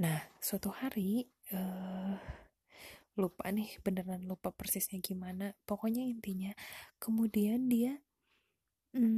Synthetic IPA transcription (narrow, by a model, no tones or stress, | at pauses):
nahsuat̪uhaɾi | ə | lupa̰nɪhbənərnanlupapərsɪsɲaɡimanapokɔɲaint̪iɲakəmudiandia | m̩